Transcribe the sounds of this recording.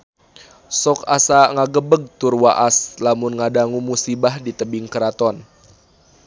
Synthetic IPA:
sɔkasaŋaɡəbəɡ̚t̪urwaʔaslamunŋadaŋumusibahdit̪əbiŋkəɾat̪ɔn

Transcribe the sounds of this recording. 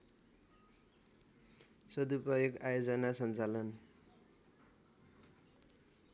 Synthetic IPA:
sʌd̪upʌjʌkajod͡zʌnasʌnt͡salʌn

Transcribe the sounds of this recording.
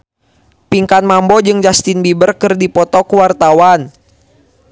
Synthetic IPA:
piŋkanmambɔd͡ʒɨŋd͡ʒast̪ɪnbibərkɨrdipɔt̪ɔkuwart̪awan

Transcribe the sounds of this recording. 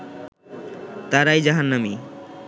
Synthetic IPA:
t̪aɾajd͡ʑaɦanːami

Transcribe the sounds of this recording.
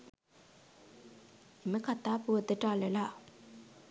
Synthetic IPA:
eməkat̪ːapuəd̪əʈalela

